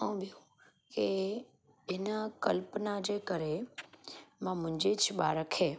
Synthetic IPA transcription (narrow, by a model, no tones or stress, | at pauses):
əũɓijũ | ke | ɪnəkɐlpənad͡ʑeːkɐɾe | mãmʊ̃ɪ̃ɲd͡ʑet͡ɕʰɪɓaːɾəkʰeː